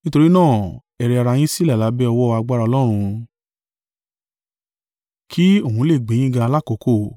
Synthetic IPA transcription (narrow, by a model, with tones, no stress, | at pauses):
nĩ˦to˧ɾi˦nãː˦˨ | ɛ˧ɾɛ˧a˧ɾa˧j̃ĩ˦si˦la˦˨la˨˦bɛ˦ɔ˧wɔ˦˧a˧ɡ͡ba˦ɾa˧ɔ˧lɔ˦ɾ̃ũ˧ | kʰi˦o˦˨ɦũ˧˦le˦˨ɡ͡bẽ˨˦jĩ˦ɡã˧a˧la˦˨ko˨˦ko˦˨